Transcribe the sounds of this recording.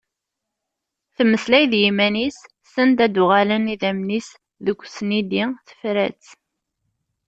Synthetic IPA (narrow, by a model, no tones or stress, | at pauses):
θmːəslæjðjimænisː | ənd̪æd̪uʁaləniðæmnis | ðəkʷːsnid̪iθə̥fɾæt͡s